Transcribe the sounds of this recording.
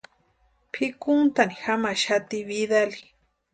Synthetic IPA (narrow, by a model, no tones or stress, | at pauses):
pʰɪkʊnt̪anixamaʃat̪ɪβiðali